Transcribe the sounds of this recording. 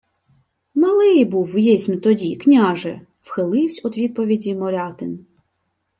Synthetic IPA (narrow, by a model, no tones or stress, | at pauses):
mɐlˠɪjbuwːjɛsʲmʲt̪ɔdʲiknʲɑʒɛ | wxɪlˠɪwsʲɔd̪ʋʲid̪̚pɔʋʲidʲimɔɾʲɑt̪ɪn